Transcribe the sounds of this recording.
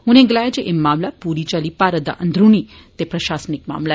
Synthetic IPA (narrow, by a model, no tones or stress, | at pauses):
ʊnẽɡlaːjd͡ʒeʔemːaːmlapuːɾit͡ʃalipaːɾəd̪a̰ʔənd̪ʱɾuni | t̪epɾɐʃaːsnɪk̚ma̰ːmla